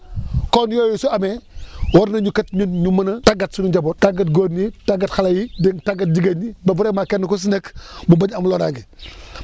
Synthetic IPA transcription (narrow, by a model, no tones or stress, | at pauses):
konjojusuamewoɾnɐɲukatɲuɲumɐnɐtaɡatsunuɟabotaɡatɡonitaɡatxalajideŋtaɡat̚d͡ʒiɡaɲibabuɾemakenːkos̬inekmubaɲamloɾaŋɡi